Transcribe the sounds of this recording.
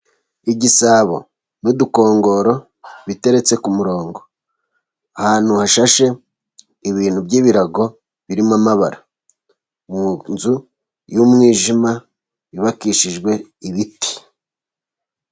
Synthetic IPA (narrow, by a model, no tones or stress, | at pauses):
iɟisaːβo̞̰ | nuduko̞ːŋɡo̞ɾo̞ | βite̞ɾe̞t͡se̞kumuɾo̞ːŋɡo̞ | ahaːn̥huhaʃaʃe̞ | iβiːn̥hubɟiːβiɾaɡo̞ | βiɾimamaβaɾa | munzu | jumŋiːʒima | iβakiʃiʒɡwe̞iβiti̥